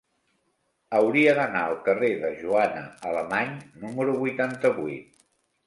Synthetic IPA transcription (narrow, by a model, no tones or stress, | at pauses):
əwɾiəðənaəlˠkəreðəʒuanə̰ələmaɲnuməɾuβujt̪ant̪əβujt̪̚